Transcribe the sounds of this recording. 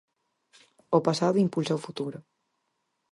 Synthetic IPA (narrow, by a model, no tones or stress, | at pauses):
opasaðuimpulsawfut̪uɾo